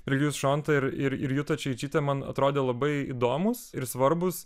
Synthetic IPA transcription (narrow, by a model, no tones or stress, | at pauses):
ɾʲɛɡʲjuːsʃoːnt̪ɐɪɾɪɾɪ̰ɾjʊt̪ɐt͡ʃʲɛɪt͡ʃʲiːt̪ʲɛmɐnɐ̰t̪ɾoːd̪ʲeːlˠɐbɐɪid̪oːmʊsɪɾsʋɐɾbʊs